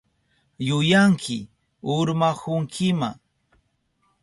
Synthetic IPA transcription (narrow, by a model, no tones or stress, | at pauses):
jʊjaŋkʰɪ̰ | ʊɾmakʊŋkʰɪma̰